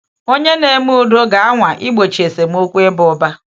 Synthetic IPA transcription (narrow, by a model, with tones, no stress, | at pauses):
o˦ɲe˦ne˨mu˦u˨do˦ɡa˨a˦ŋʷa˨ʔɪ˦ɡ͡bo˨t͡ʃi˨e˨se˨m˦o˦kʷu˦e˦bʊ˨ɔ˦ba˦